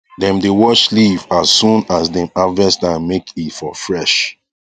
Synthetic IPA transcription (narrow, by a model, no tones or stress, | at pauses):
dɛ̃mdewɔʃlivasːũnasdɛ̃mavɛstãnmekʰitfɔfɹɛʃ